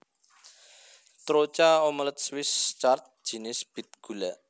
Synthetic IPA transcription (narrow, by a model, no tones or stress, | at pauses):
t̪ɾot͡ʃaɔmələt̪̚swɪst͡ʃart̪̚ʒ̥i̤nɪsb̥i̤t̪̚ɡ̥ṳla